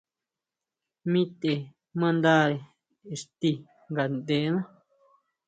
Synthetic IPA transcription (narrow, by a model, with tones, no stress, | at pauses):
mĩ˦t̪e˨ | mã˦˧nd̪a˦˨ɾe˨ | ʂt̪i˧ | ŋɡa˨nd̪e˨˦nã˦